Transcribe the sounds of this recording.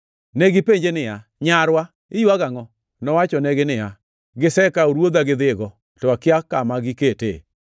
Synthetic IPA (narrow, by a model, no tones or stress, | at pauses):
neɡɪpeɲd͡ʒenɪjaɲaɾwa | ɪjuaɡaŋɔ | nɔwat͡ʃɔnɛɡɪnɪja | ɡɪsɛkaoɾwod̪aɡɪd̪ɪɡɔ | tɔakɪakːamaɡɪketḛ